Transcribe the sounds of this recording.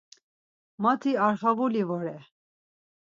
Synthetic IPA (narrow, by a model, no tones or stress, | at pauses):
mat̪ʰiaɾχavulivɔɾɛ